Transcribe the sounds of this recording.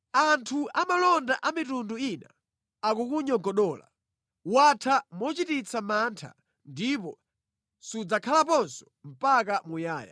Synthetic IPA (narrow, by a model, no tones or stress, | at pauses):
antʰuʔamalɔndaʔamitunduina̰ | akukuɲɔɡɔɗɔːla̰ | watʰamɔt͡ʃitit͡sʰamantʰa̰ | ndipɔ | sud͡zakʰalapɔnsɔ̥ | m̩pak̬amujaːja̰